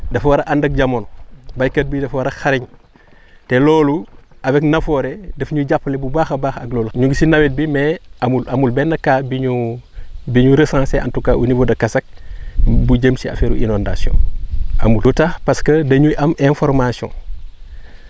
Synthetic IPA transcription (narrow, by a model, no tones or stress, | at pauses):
dɐfwaɾɐʔandɐk̚ɟamoːnbajkɐt̚bidɐfwaɾɐxaɾiɲ | tɛlɔːluɐweknɐfoɾedɐfɲuɟapːɐlebubaːxɐbaːxɐɡloːlɲuɡisinɐwit̚bimɛamulɐmulbɛnːɐkːaːbiɲu | biɲuɾesãːseʔɐ̰ntukaʔunivodɐkɐsɐk̚ | buɟəmsiɐ̰feɾṵʔḭnonda̰sjõ̰a̰mulutaxpɐskədɐɲujʔɐmʔefɔɾmasiɔ̰̃ː